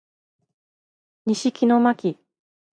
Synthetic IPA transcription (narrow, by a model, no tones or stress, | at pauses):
ɲiɕikʲino̞makʲi